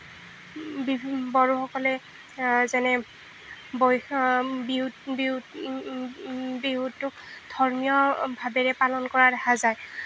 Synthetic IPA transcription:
bibɔɹuxɔkɔlɛ | zɛnɛ | bɔjbibi | biɦutːʊkdʱɔɹmijɔbʱabɛɹɛpalɔnkɔɹaɹaxazaj

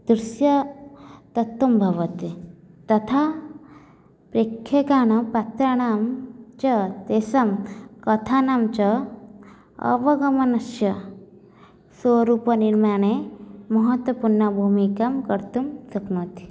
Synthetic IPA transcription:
d̪̥ɾisjɐ | t̪ɐt̪ːumbʱɐʋɐt̪it̪ɐt̪ʰa | pɾeːkʰjekaːñɐpat̪ɾɐɳ̃aːmt͡ʃɐt̪eːsɐmkɐt̪ʰaːnaːmt͡ʃɐ | ɐ̰ʋɐɡɐmɐnɐʃjɐ | swoɾuːpɐniɾmaːɳ̃emɐɦɐt̪wɐpuɾnːɐbʱumikɐmkɐɾt̪umsɐknoːt̪i̥

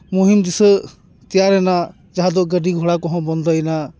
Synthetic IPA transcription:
muɦimd̪isə | t̪ijaɾɛna | d͡ʒaɦad̪ɔʔɡəɖiɡʱɔɽakɔɦɔ̃bɔnd̪ʱɔjna

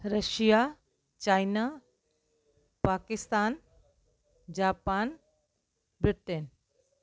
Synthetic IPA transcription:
ɾɐʃija | t͡ɕaːjnaː | paːkɪst̪aːn | d͡ʑaːpaːn | bɾɪʈen

